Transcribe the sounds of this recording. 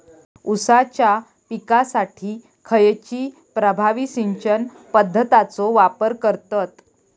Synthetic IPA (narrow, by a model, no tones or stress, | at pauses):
usat͡ɕja | pikasaʈʰiː | kʰəjt͡ɕiː | pɾəbʱaʋisiɲt͡ɕən | pəd̪ʱːət̪at͡soʋapəɾkəɾt̪ət̪